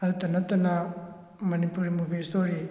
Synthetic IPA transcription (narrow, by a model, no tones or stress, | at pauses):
ɐd̪ut̪ɐnɐt̪ɐna | mɐnipuɾimubisoɾi